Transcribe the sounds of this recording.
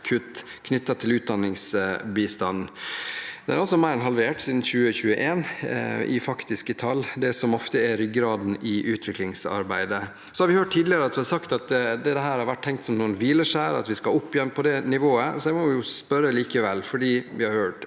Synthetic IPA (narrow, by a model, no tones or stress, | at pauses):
kʰʉt̪ː | kʰnʏt̪ːɑt̪ʰɪlʉːt̪̚d̪ɑnːɪŋsbiːst̪ɑnː | d̪ɛæ̰ɾɑlsɔmæɪɾɪnɦɑlʋeːʈsiːd̪n̩çʉːəçʉːəʔeːnɪ̰fɑkt̪ɪskət̪ʰɑlːd̪ɛsɔmɔft̪əɛɾʏɡɾɑːd̪n̩ɪʔʉːt̪ʰʋɪklɪŋsɑ̰ɾbæɪd̪ə | sɔhɑɾʋɪhøːʈ̚t̪ʰːiːd̪lɪəɾəɑt̪ʋɪhɑɾsɑkt̪ɑt̪d̪ɛd̪ɛɦæːɾhɑɾʋæʈ̚tʰɛŋkt̪sɔmnuːənʋiːləʂæːɾɑ̰t̪ʋɪskɑɔpːɪjɛnːpʰɔd̪ɛnɪʋoːəsɔd̪æɪmɔʋɪjʊspœɾəliːkəʋɛlfɔɖiːʋɪhɑɾhøːʈ